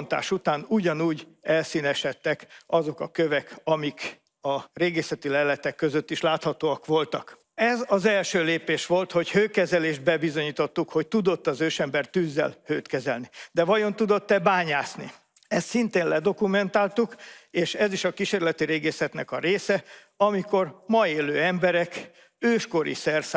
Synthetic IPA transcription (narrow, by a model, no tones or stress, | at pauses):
nt̪a̰ːʃut̪aːnuɟɒnuːɟɛlsiːnɛʃɛt̪ːɛkɒzo̞kɒkøvɛkɒmik | ɒreːɡeːsɛt̪ilɛlɛt̪ɛkːøzøt̪ːiʃlaːt̪hɒt̪oːɒkʋo̞lt̪ɒk | ɛzɒzɛlʃøːleːpeːʃʋo̞lt̪ho̞chøːkɛzɛleːʒd̪̚bɛbizo̞ɲiːt̪o̞t̪ːukho̞ct̪ud̪o̞t̪ːɒzøːʃɛmbɛrt̪yːzːɛ̰lhøːt̪kɛzɛ̰lnid̪ɛvɒjo̞nt̪ud̪o̞t̪ːɛbaːɲaːsni | ɛst̪sint̪eːnlɛd̪o̞kumɛnt̪aːlt̪ukeːʃɛziʃɒkiʃeːrlɛt̪iɾeːɡeːsɛt̪nɛkɒɾeːsɛ | ɒmiko̞rmɒeːløːɛmbɛɾɛk | øːʃko̞ɾḭsɛrs